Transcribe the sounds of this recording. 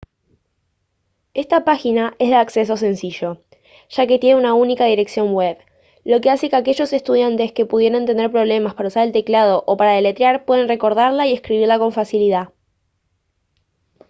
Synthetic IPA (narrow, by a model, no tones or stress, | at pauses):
e̞st̪apaxinaʔezðeakse̞s̬o̞s̬e̞nsiʒo̞ | ʒ̥ake̞t̪je̞neunaunikað̞iɾe̞ksjo̞ŋweβ | lo̞ke̞ase̞keake̞ʒo̞se̞st̪uðjant̪e̞ske̞puðje̞ɾent̪e̞ne̞ɾpɾo̞βle̞maspaɾausaɾelt̪e̞klað̞o̞ʔopaɾaðelet̪ɾjaɾpwe̞ðe̞nre̞ko̞ɾð̞aɾlaie̞skɾiβiɾlako̞ɱfasilið̞a